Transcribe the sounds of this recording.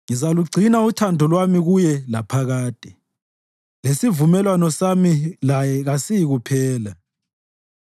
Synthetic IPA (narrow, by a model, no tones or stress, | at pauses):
ŋizaluɡ͡ǀʱinautʰandʱɔlwamiɣujɛlapʰaɣaːtʼi̥ | lesivumɛlwanɔsamilajɛɣasijiɣupʰɛːla